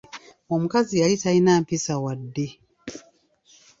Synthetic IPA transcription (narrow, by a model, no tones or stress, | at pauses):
wam̩kaziaitainapisawadi